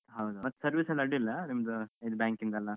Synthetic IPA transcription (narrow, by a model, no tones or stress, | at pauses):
ɦɐwd̪umɐt̪ːsɐɾʋiːsɐlːɐɽilːɐnimɐd̪uid̪ubaːŋkind̪ɐlːɐ